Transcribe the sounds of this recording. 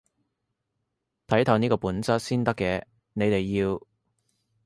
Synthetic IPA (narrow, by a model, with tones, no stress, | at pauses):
t̪ʰɐ˨˥jt̪ʰɐ˨˧wniː˥kɔː˧puː˨˥nt͡sɐ˥t̚siː˥nt̪ɐ˥kːɛː˨˧ | ne˨˧jt̪e˨jːiː˧w